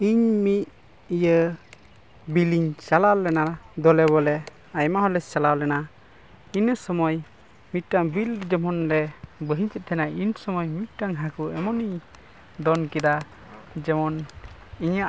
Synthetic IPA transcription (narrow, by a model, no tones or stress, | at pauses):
iɲmit̪̚ | ijə | biliɲt͡ʃalawlɛnad̪ɔlɛβɔlɛ | ajmaɦɔlɛt͡ʃalawlɛna | inəsɔmɔj | mit̪̚ʈaŋbilɾd͡ʒɔmɔnɾɛbəɦiɲt͡ʃɛt̪̚ʰɛnainsɔmɔjmit̪̚ʈaŋɦakuɛmɔni | d̪ɔnkɛd̪a | d͡ʒɛmɔniɲaʔ